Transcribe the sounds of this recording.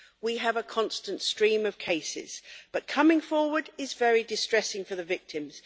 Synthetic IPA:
wiəvəkʰɒ̃nstə̃ntstɹ̥ĩːməv̥kʰeɪsɪ̰z̥b̥ʌt̚kʰʌmɪ̃ŋfɔːwədɪzvɛɹidɪstɹ̥ɛsɪ̃ŋfəðəvɪk̚tʰɪ̃mz̥

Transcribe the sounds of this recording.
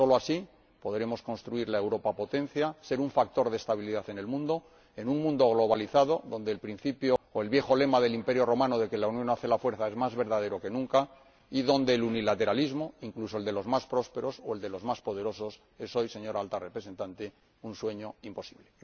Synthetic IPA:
so̞loasi | po̞ðɾe̞mo̞skonst̪ɾuiɾlaewɾo̞papo̞t̪ẽ̞nθjase̞ɾuɱfak̚t̪o̞ɾðest̪aβ̞iliðaθe̞ne̞lmũnd̪o̞ | e̞nũŋmũnd̪o̞ɣ̞loβaliθað̞o̞ðo̞nd̪eːlpɾin̟θipjoːe̞lβje̞xo̞le̞mað̞e̞limpe̞ɾjoro̞mãnoðe̞ke̞launjõ̞naθe̞lafwe̞ɾθae̞zmazβe̞ɾðað̞e̞ɾo̞ke̞nũŋka | iðo̞nd̪e̞ːlunilat̪e̞ɾalizmoiŋklusold̪e̞lo̞zmaspɾo̞spe̞ɾo̞soe̞ld̪e̞lo̞zmaspo̞ð̞e̞ɾo̞so̞s | e̞so̞jse̞ɲo̞ɾaalt̪arepɾese̞nt̪ant̪e | unswe̞ɲo̞impo̞siβle

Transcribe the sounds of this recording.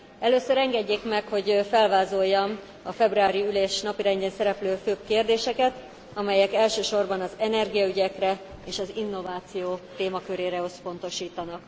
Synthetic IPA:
ɛløːsøɾɛŋɡɛɟːeːkmɛkho̞ɟfɛlvaːzo̞jːɒn | ɒfɛbruaːɾiyleːʃnɒpiɾɛɲɟeːnsɛɾɛpløːføːbkeːrd̪eːʃɛkɛt̪ | ɒmɛjɛkɛlʃøːʃo̞rbɒnɒzɛnɛrɡijɒyɟɛkrɛeːʃɒzinːo̞vaːt̪sijoːt̪eːmɒkøɾeːɾɛø̞spo̞n̪t̪o̞ʃiːt̪ɒnɒk

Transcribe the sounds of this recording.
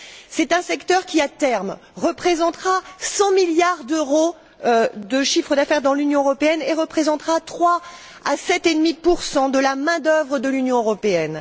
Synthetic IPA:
sɛt̪ɛ̃sɛkt̪œʁkʲiat̪ɛʁmʁəpχezɑ̃t̪χasɑ̃miljaʁd̪øʁo | d̪əʃifχəd̪afɛʁd̪ɑ̃lynjɔ̃øʁɔpeɛneʁəpχezɑ̃t̪χat̪χwa | asɛt̪ed̪mipuʁsɑ̃d̪əlamɛ̃d̪œvʁəd̪əlynjɔ̃øʁɔpeɛn

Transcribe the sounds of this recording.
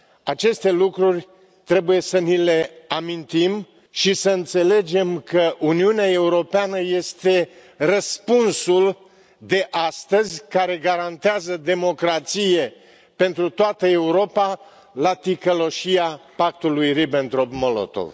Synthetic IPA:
at͡ʃe̞st̪e̞lukɾurʲ | t̪ɾe̞buje̞sənile̞amint̪im | ʃisəɨnt̪se̞le̞d͡ʒe̞mkəʔuniuneae̞uɾo̞peanəje̞st̪e̞ | rəspunsul | d̪e̞ʔast̪əzʲkaɾe̞ɡaɾant̪eazəd̪e̞mo̞kɾat̪sije̞ | pe̞nt̪ɾut̪oat̪əe̞uɾo̞pa | lat̪ikəlo̞ʃiapak̚t̪ulujribent̪ɾopmolo̰t̪o̰v

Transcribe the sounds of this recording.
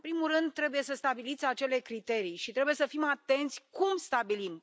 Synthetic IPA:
ɨpɾimurɨnd̪̚t̪ːɾe̞buje̞səst̪abilit̪sʲat͡ʃe̞le̞kɾit̪e̞ɾijʃit̪ɾe̞buje̞səfimat̪e̞nt̪sʲkumst̪abilim

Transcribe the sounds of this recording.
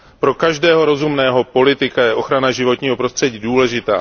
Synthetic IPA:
pɾo̞kaʒdɛːɦo̞ɾo̞zumnɛːɦo̞po̞lɪt̪ɪkajɛʔo̞xɾanaʒɪvo̞t̪ɲiːɦo̞pɾost̪r̥ɛɟiːduːlɛʒɪt̪a̰ː

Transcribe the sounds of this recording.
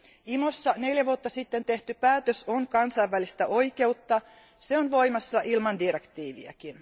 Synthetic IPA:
imosːɑne̞ljæʋuot̪ːɑsit̪ːent̪e̞ht̪ypæːt̪øsoŋkɑnsɑjʋːælist̪æʔo̞ike̞ut̪ːɑ | seonʋo̞jmɑsːɑʔilmɑndirekt̪iːʋiæ̰kin

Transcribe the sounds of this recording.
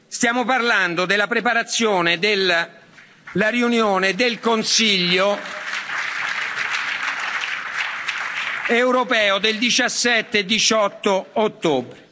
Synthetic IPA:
st̪jaːmoparland̪od̪elːapɾepaɾat̪sːjoːned̪el | aɾiunjoːned̪elkonsiʎːo | ewɾopɛːod̪eld̪it͡ʃasːɛt̪ːed̪it͡ʃɔt̪ːoːt̪ːoːbɾe

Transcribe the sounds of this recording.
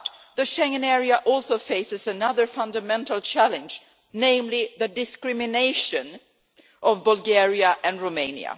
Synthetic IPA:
ðɨʃɛ̃ŋɨ̃nɛɹiəʔɔlˠsoʊfeɪsɨzɨnʌðə˞fʌ̃ndɨmɛ̃ntl̩ˠt͡ʃʰælɨ̃nd͡ʒ | nẽɪ̃mliðɨdɨskɹɪmɨneɪʃɨ̃n | ʔʌvbəlˠɡɛɹiəʔɨ̃nɹoʊmẽɪ̃nj̰ɨ̰

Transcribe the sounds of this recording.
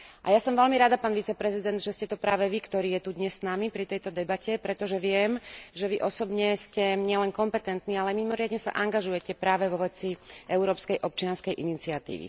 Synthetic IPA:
ʔajasɔmʋɛlmiɾad̪apaːnʋit͡sɛpɾɛzid̪ɛnd̪ʒɛscɛt̪ɔpɾaːʋɛʋikt̪ɔɾiːjɛt̪ud̪ɲɛsːnamipɾit̪ɛjt̪ɔd̪ɛbacɛpɾɛt̪ɔʒɛʋɪɛmʒɛʋiʔɔsɔbɲɛscɛɲɪɛlɛnkɔmpɛt̪ɛnt̪niːalɛmimɔɾɪad̪ɲɛsa̰ʔaŋɡaʒujɛcɛpɾaːʋɛʋɔʋɛt͡siʔɛʊɾɔːpskɛjʔɔp̚t͡ʃɪanskɛjʔinit͡siat̪ḭːʋḭ

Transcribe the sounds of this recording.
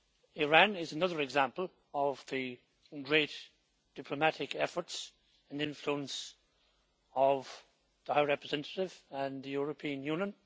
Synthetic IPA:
ɪɹæ̃nɪzənʌðə˞ɨɡzæ̃mpəl̩ˠ | ʌvðɨ | ɡɹeɪt | d̥ɪpʰlomæɾɪkɛfə˞ts | ə̃nɪ̃ɱfluə̃ns | ʌv | ðəhaɪɹɛpɹɨzɛ̃ntʰəɾɪvə̃nðɨjʊɹəpʰĩə̃njũnjə̃n

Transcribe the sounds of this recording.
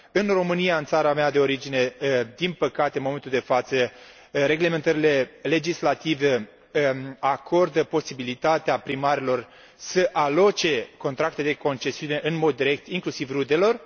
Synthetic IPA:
ɨnro̞mɨnijaɨnt̪saɾamead̪e̞o̞ɾid͡ʒine̞d̪inpəkat̪e̞ɨnmoment̪uld̪e̞fat̪sə | ɾe̞ɡle̞me̞nt̪əɾile̞le̞d͡ʒislat̪ive | akʰo̞rd̪əpo̞sibilit̪at̪eapɾimaɾelo̞r | səʔalo̞t͡ʃe̞ko̞nt̪ɾakt̪ed̪eko̞nt͡ʃe̞siune̞ʔɨnmo̞d̪ːiɾe̞k̚t̪iŋklusivrud̪e̞lo̞r

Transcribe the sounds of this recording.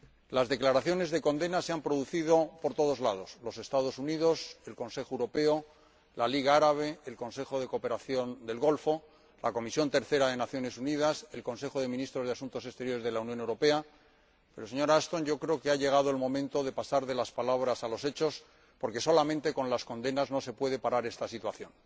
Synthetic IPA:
lazðeklaɾaθjo̞ne̞zðe̞ko̞nd̪e̞nase̞ampɾoðuθiðo̞po̞ɾt̪o̞ð̞o̞zlaðo̞slo̞se̞st̪aðo̞suniðo̞se̞lko̞nse̞xoewɾo̞pe̞o̞ | laliɣ̞aaɾaβ̞e̞ːlko̞nse̞xo̞ðe̞kope̞ɾaθjo̞nd̪e̞lɣo̞lfo̞ | la̰ko̞misjo̞nt̪e̞ɾθe̞ɾaðe̞naθjone̞suniðase̞lko̞nse̞xoðe̞minist̪ɾo̞zð̞easunt̪o̞se̞st̪e̞ɾjo̞ɾe̞zð̞e̞launjone̞wɾo̞pe̞a | pe̞ɾo̞seɲo̞ɾaast̪o̞nʝo̞kɾe̞okeaʝe̞ɣ̞að̞oelmõ̞mẽ̞nt̪oðe̞pasaɾðe̞laspalaβ̞ɾasalo̞se̞t͡ʃo̞s | po̞ɾke̞so̞lamẽnt̪e̞ko̞nlasko̞nd̪e̞nazno̞se̞pwe̞ð̞e̞paɾaɾe̞st̪asit̪waθjõ̞n

